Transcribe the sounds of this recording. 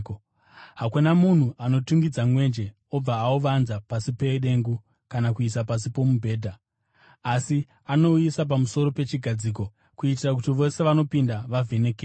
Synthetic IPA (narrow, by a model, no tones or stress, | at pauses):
ɦakunamun̤uʔano̞tuŋɡid͡zamwe̞ːnd͡ʒe̞ | o̞b͡vaːuʋanzapasipe̞ɗe̞ŋɡu | kanakuisapas̬ipo̞mubʱe̞ːdʱa | asi | ano̞ujisap̬amuso̞ɾo̞pe̞t͡ʃiɡʱad͡ziːk̬o̞ | kuitirak̬utiʋo̞se̞ʋano̞pindaʋave̞nekeː